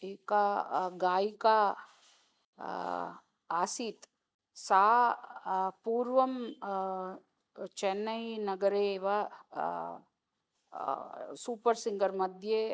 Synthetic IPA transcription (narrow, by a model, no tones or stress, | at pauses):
eːkaɡaːika | aːsit̪ | saː | puːɾʋəm | t͡ʃɛnːəinɐɡəɾeʋa | suːpəɾsɪ̃ŋɡəɾmɐd̪ʱje